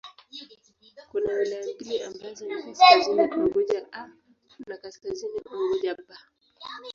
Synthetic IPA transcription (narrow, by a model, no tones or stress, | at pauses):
kunawilajambiliambazɔnikasziniʔɔɡɔʄaʔa | nakaskaziniɔɡɔʄaba